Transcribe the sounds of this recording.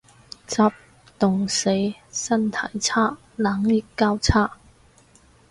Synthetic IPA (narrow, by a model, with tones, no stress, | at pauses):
t͡saː˧p̚ | t̪ʊ˨˩ŋse˨˥jsɐ˥nt̪ʰɐ˨˩jt͡sʰaː˥ | laː˨˥ŋlɪ˨kkːaː˥wt͡sʰaː˥